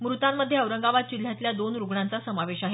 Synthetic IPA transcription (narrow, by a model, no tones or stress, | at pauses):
mɾut̪amːəd̪ʱjeəʋɾəŋɡaʋat̪̚t͡ɕil̤jat̪ljad̪onɾuɡɳant͡sasəmaʋeɕaɦe